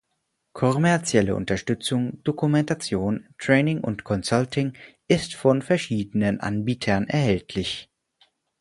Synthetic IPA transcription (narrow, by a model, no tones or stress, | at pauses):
kʰɔmɛɐt͡sjɛlə̰ʔʊ̰ntɐʃtʏt͡sʊŋd̥okumɛntat͡sjoːntʁ̥ɛːnɪŋʔʊ̰ntkʰɔnsaltɪŋʔɪstfɔnfɛɐʃiːdənənʔa̰nbiːtʰɐnʔɛ̰ɐhɛltʰlɪç